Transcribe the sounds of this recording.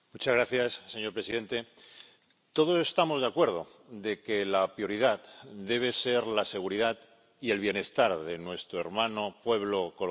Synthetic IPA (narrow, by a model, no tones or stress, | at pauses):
mut͡ʃazɣɾaθjasːe̞ɲoɾpɾesiðe̞nt̪e̞ | t̪o̞ð̞o̞se̞st̪amo̞zðeakwe̞ɾðo̞̰ | ðe̞ke̞lapɾjo̞ɾið̞at̪d̪e̞β̞e̞se̞ɾlase̞ɣ̞uɾiðat̪ | ie̞lβje̞ne̞st̪aɾðe̞nwe̞st̪ɾoe̞ɾmãno̞pwe̞β̞lo̞ko